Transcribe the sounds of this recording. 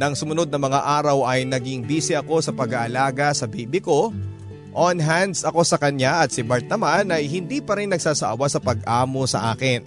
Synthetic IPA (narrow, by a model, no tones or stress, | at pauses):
nɐŋsʊmʊno̞d̪̚nɐmɐŋaʔaːɾɐwɐjnɐɡiŋbiːsɪʔɐko̞sɐpɐɡaʔɐlaːɡɐsɐbiːbɪko̞ | ʔonɦand̪sɐko̞sɐkɐɲaʔɐt̪̚sɪbɐɾt̪̚nɐmanʔɐjɦɪnd̪iːpɐɾinːɐɡ̚saːsɐ̰ʔɐwasɐpɐɡ̚ʔaːmo̞sɐ̰ʔaːkɪn